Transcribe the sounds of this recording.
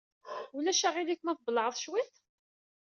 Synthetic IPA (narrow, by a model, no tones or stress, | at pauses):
ulæʃæʁilikːmæθblːʕəðˤʃwiθ